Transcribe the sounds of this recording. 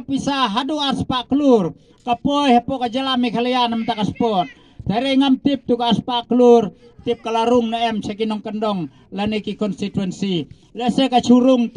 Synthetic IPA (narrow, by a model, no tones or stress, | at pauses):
pisaɦaduarspakəlur | kapojɦepɔkad͡ʒalamikʰalijanamt̪akaspɔt̪̚ː | aɾiŋamt̪ip̚t̪ukaspakəlur | t̪ip̚kalaɾuŋnaɛmsekinɔŋkəndɔŋ | lanikikɔnst̪it̪wɛnsi | lɛsekat͡ʃuɾuŋ